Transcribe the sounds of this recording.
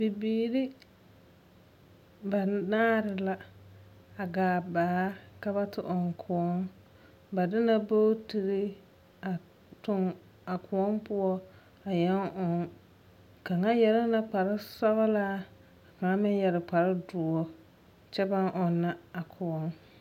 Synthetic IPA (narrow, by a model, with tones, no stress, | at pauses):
bi˨biː˨ɾɪ˦ | ba˨naː˦ɾɪ˨la˦ | a˨ɡaː˨baː˨˦ka˦ba˦tɪ˨ʔɔ˨ŋkʰʊ˨ɔ˦ŋ | ba˨dɪ˦na˦bo˦ti˨ɾɪ˦ | a˨ | tʊ˦ŋ | a˨kʰʊ˨ɔ˦mpʊ˦ɔ˦ | a˨jɛ˦ŋʔɔ˨ŋ | ka˨ŋa˦jɛ˨ɾɪ˦na˦k͡pa˨ɾɪ˦sa˦ba˦laː˦˨ | ka˨ŋa˦mɪ˦ɲ˦jɛ˨ɾɪ˨k͡pa˨ɾɪ˦dʊ˨ɔ˦ | t͡ʃɛ˦ba˦ŋʔɔ˨nːa˦a˨kʰʊ˨ɔ˦ŋ